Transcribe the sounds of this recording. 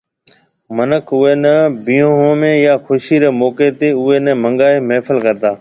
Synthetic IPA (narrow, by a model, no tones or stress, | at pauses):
mənəkʰʊeːnəbiːõːɦõːmẽːjaːxʊʃiːɾeːmoːkeːt̪eːʊeːnəmə̃ŋɡaːeːmeːfʰəlkəɾt̪aː